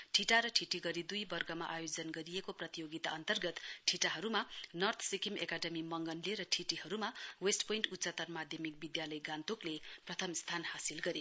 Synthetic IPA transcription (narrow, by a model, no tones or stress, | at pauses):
ʈʰiʈaɾʌʈʰiʈiɡʌɾid̪ujbʌrɡʌma̰ʔajod͡zʌnɡʌɾijekoprʌt̪ijoɡit̪aʌnt̪ʌrɡʌt̪ʈʰiʈaɦʌɾumanʌrt̪ʰsikimekaɖʌmimʌŋɡʌnleɾʌʈʰiʈiɦʌɾumawesʈpoiɳʈutːsʌt̪ʌrmad̪ʱjʌmik̚bid̪jalʌjɡant̪ukleprʌt̪ʰʌmst̪ʰanhasilɡʌɾe